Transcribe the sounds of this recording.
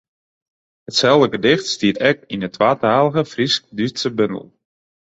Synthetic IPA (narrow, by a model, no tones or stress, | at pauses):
hətsɛlˠdəɡədɪxtstiətɛk̚inətʰʋaːtaːləɣəfrisk̚dysəbøndə̰l̩ˠ